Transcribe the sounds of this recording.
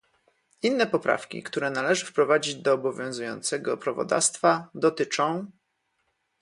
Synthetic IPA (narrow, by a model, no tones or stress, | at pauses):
inːɛpɔpɾa̰fkʲḭkt̪uɾɛnalɛʐɘfpɾɔvad͡ʑid͡ʑd̪ɔːbɔvʲjɔ̃w̃zujɔ̰nt̪sɛɡɔpɾavɔ̰d̪a̰fst̪fad̪ɔt̪ɘt͡ʂɔ̃w̃